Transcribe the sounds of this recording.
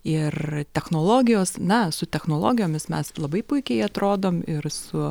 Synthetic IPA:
ɪrt̪ʲɛxnoːlˠoːɡʲɪjoːsnɐsʊt̪ʲɛxnoːlˠo̰ːɡʲɪjoːmʲɪsmʲɛslˠɐbɐɪpʊɪkʲɛɪɐt̪ɾoːd̪oːmɪɾsʊ

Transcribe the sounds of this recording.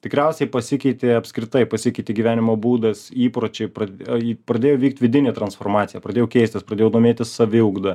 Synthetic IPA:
t̪ʲɪkɾʲɛˑʊsʲɛɪpɐsʲɪkʲɛɪt̪ʲeɐpʲskɾʲɪt̪ɐɪpɐsʲɪkʲɛɪt̪ʲeːɡʲiːʋʲæːnʲɪmoːbuːd̪ɐsiːpɾoːt͡ʃʲɛɪpɾɐpɾɐd̪ʲeːjoːʋiːk̚t̪ʲʋʲɪd̪ʲɪnʲeːt̪ɾɐnsfoːɾmɑːt̪sʲɪjɛːpɾɐd̪ʲeːjoʊkʲɛɪsʲt̪ʲɪspɾɐdʲeːjɛʊd̪oːmʲeːt̪ʲɪssɐʋʲɪʊɡd̪ɐ

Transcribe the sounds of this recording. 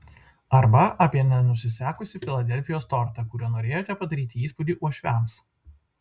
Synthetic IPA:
ɐɾbɐʔɐpʲiɛnʲɛnʊsʲɪsʲæːkʊsʲɪfʲɪlˠɐd̪ʲɛlʲfʲɪjoːst̪ɔɾt̪ɐkʊɾʲuɔnoːɾʲeːjoːt̪ʲɛpɐd̪ɐɾʲiːt̪ʲɪiːspʊd̪ʲiːʔuɔʃʲʋʲɛms

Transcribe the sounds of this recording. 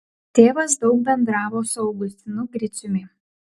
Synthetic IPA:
t̪ʲeːʋɐsd̪ɒʊk̚bʲɛnd̪ɾɑːʋoːsʊɒʊɡʊsʲt̪ʲɪnʊɡɾʲɪsʲʊmʲɪ

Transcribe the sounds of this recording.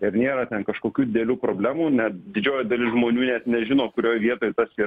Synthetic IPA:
ɪɾnʲeːɾɐt̪ʲɛnkɐʃkoːkʲuːd̪ʲɪd̪ʲɛlʲuːpɾoːbʲlʲæːmuːnʲɛt̪d̪ʲɪd͡ʒʲoːjɛd̪ɐlʲɪsʒmoːnʲuːnʲɛt̪nʲɛʒʲɪnoːkʊɾʲoːjʋʲiɛt̪oːjt̪ɐsiː

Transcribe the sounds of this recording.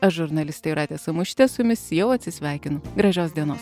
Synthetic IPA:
ɐʃʒʊɾnɐlʲɪst̪ʲɛɪɾɑːt̪ʲeːsɐmʊʃʲt̪ʲɛsʊmʲɪsjɛʊɐt̪ʲsʲɪsʲʋʲæˑɪkʲɪnʊɡɾɐʒʲoːsd̪ʲiɛnoːs

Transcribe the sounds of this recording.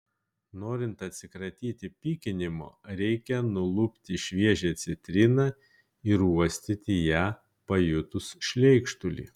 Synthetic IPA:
noːɾʲɪnt̪ɐt̪ʲsʲɪkɾɐt̪ʲiːt̪ʲɪpʲiːkʲɪnʲɪmo̰ːɾʲɛɪkʲɛnʊlˠʊpʲt̪ʲɪʃʲʋʲiɛʒʲɛːt̪sʲɛt̪ʲɾʲɪnɑ | ɪɾuɔsʲt̪ʲɪt̪ʲɪjæː | pɐjʊt̪ʊsʃʲlʲɛɪkʃt̪ʊlʲḭː

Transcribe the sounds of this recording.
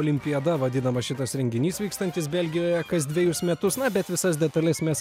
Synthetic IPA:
oːlʲɪmʲpʲɪjɛd̪ɐʋɐd̪ʲɪnɐmɐʃʲɪt̪ɐsɾʲɛŋʲɡʲɪnʲiːsʋʲiːkst̪ɐnt̪ʲɪsbʲɛlʲɡʲɪjoːjɛkɐsd̪ʲʋʲɛjʊsmʲɛt̪ʊsnɐbʲɛt̪ʋʲɪsɐsd̪ʲɛt̪ɐlʲɪsmʲɛs

